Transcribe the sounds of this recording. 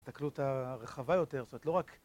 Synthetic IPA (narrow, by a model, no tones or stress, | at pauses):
t̪aklutaʁeχavajo̞te̞ʁstomtlo̞ʁak